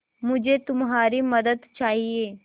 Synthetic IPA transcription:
mʊd͡ʒʱet̪ʊmɦaːɾimɐd̪əd̪t͡ʃaːɦieː

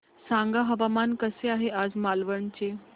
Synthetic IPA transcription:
sãŋɡaɦəʋamankəseaɦeʔad͡zmalʋəɳt͡ɕe

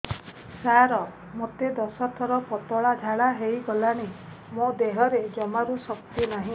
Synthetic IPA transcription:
saɾɔ | mot̪ed̪ɔsɔt̪ʰɔɾɔpɔt̪ɔɭad͡ʒʱaɭaɦejɡɔlaɽ̃i | mod̪eɦɔɾed͡ʒɔmaɾusɔkt̪inaɦĩ

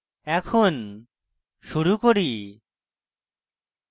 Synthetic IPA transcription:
ɛkʰon | ʃuɾukoɾi

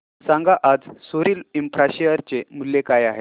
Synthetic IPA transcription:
sãŋɡaʔad͡zsoɾiːlimpɾaɕiəɾt͡ɕemulːekajaɦe

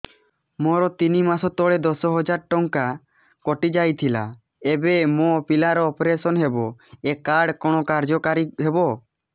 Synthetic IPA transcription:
mɔɾɔt̪inimasɔt̪ɔɽed̪ɔsɔɦɔd͡ʒaɾʈɔŋka | kɔʈid͡ʒajt̪ʰila̰ | ebemɔpilaɾɔːpɾesɔnɦebɔɛkːaɽkɔɽ̃ɔkaɾd͡ʒɔkaɾiɦebɔ

